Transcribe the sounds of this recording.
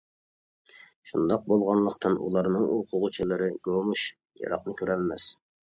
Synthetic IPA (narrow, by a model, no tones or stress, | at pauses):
ʃund̪ɑq̚bolˠʁɑnlˠəqt̪ʰɨnṵlˠɑɾnɨŋuqʰʊʁʊt͡ʃʰilˠɨɾɨɡ̥omuʃ | jɑ̰ɾɑ̰qnɨkʲøɾɛlmɛs